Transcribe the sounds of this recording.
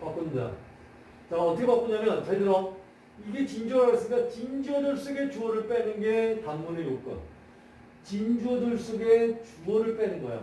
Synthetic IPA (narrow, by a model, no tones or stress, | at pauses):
pak͈uɲinda̰o̰ | t͡ɕaʌtʰʌkʰepak͈uɲamjʌnsʰed͡ʑʌɾʌ | iɡe̞t͡ɕind͡ʑʌaʌs͈ɯik͈at͡ɕind͡ʑʌdɯɭs͈oɡe̞t͡ɕuʌɾɯɭp͈enɯnɡetaŋmunejok͈ɯ̰n | t͡ɕind͡ʑʌdɯɭs͈oɡe̞t͡ɕuʌɾɯɭp͈enɯnɡʌj̰o̰